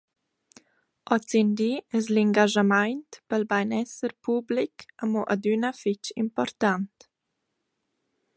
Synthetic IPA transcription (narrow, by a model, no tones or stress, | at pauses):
ʔɔt͡sind̪iɛzliŋɡaʒamajntpəlbajnɛsəɾpʰublikamɔʔadynəfit͡ʃḭmpɔɾt̪ant̪